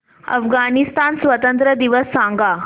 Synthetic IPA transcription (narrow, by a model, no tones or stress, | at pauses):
ə̰fɡanist̪ansʋət̪ənt̪ɾəd̪iʋəsːãŋɡa